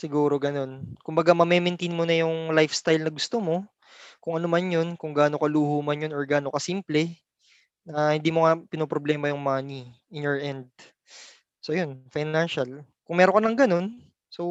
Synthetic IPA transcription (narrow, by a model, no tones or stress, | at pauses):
sɪɡuːɾo̞ɡɐno̞nkʊmbɐɡamɐmɛmɛnt̪ejnmonɐjʊŋlajfst̪ajlnɐɡʊst̪omo̞ | kʊŋʔɐnomanjo̞nkʊŋɡaːnokɐluːhuːmɐnjonoɹɡaːnokɐsiːmplɛ | nɐhɪnd̪iːmoŋɐpɪnopɾoblɛːmɐjʊŋmaniʔɪnjoɹʔɛnd̪̚ | sojonfajnanʃɐl | kʊŋmɛːɾonkɐnɐŋɡɐno̞n | so